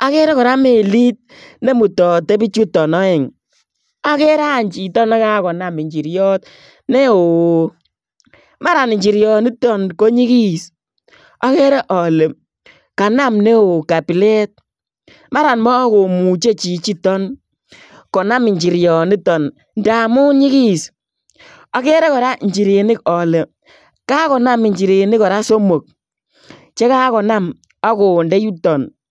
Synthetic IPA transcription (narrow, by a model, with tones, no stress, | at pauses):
a˦ke˦ɾe˦kɔ˨ɾa˦me˨li˦t̚ | ne˦mu˨tɔ˨te˦bi˦t͡ʃu˦tɔ˨nɔ˦e˨ŋ | a˦ke˦ɾa˦˨ɲt͡ʃi˨tɔ˦na˦ka˦kɔ˨na˨mi˨ɲd͡ʒi˨ɾjɔ˦t̚ | ne˦o˨ | ma˦ɾa˨nɪ˨ɲd͡ʒi˨ɾjɔ˨ni˦tɔ˦nko˦ɲi˦ki˦s | a˦kɛ˦ɾe˦ʔɔ˨le˨m | ka˨na˦˨mne˦o˨ka˨pi˨le˦t̚ | ma˦ɾa˨nmɔː˦ko˨mu˨t͡ʃe˦t͡ʃi˨t͡ʃi˦tɔ˦n | kɔ˨na˦mi˨ɲt͡ʃi˨ɾjɔ˨ni˦tɔ˨n | nda˨mu˦ɲi˦ki˦s | ɔ˦ke˦ɾe˦kɔ˨ɾa˦ɲd͡ʒi˨ɾe˨nɪ˦kɔ˨le˨ | ka˦kɔ˨na˦mi˨ɲd͡ʒi˨ɾe˨nɪ˦kɔ˨ɾa˦so˦mo˨k̚ | t͡ʃe˦ka˦kɔ˨na˦m | ɔ˦ko˨ndɛ˦ju˦tɔ˨n